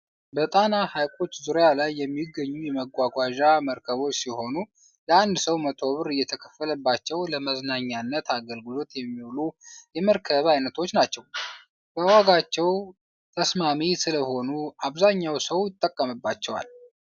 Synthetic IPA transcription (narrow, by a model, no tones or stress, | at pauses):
bət̪ʼanahajkʼo̞t͡ʃːzuɾjalajːɛmːiɡːəɲːujɛməɡʷaɡʷaʒaməɾkʰəβo̞t͡ʃːsiho̞nu | ləand̪səwmət̪ʰo̞βɨɾɨjːɛt̪ʰəkʰə̥fːələbːat͡ʃːɛwləməznaɲːanːət̪aɡəlɡɨlo̞t̪jɛmːiwlujɛməɾkʰəβajnət̪ʰo̞t͡ʃːnat͡ʃːɛw | b̥əwaɡat͡ʃːɛw | t̪ʰəsmamisɨləho̞nuaβzaɲːawsəwjɪt̪ʼːəkʼːəmɨbːat͡ʃːɛwa̰l